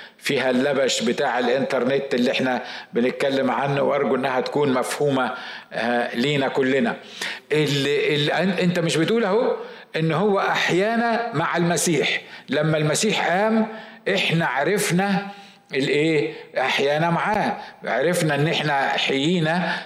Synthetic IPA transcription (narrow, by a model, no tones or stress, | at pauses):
fiːɦælːæbæʃbɪt̪aːʕelʔɪnt̪ɑɾˤnet̪ːʔɪlːiʔeħnæbɪnɪt̪̚kælːemʕanːʊwʔɑɾˤɡuʔenːæhæt̪kuːnmæfhuːmæ | liːnækʊlːɪnæ | ʔelː | ʔent̪æmɪʃbet̪uːlæho | ʔenːhowːæʔaħjæːnæmaʕalmæsiːħlæmːælmæsiːħʔæːmʔeħnæʕaɾɑfnæ | ʔelʔeːʔaħjæːnæmaʕaːʕaɾɑfnæʔenːʔeħnæħejiːnæ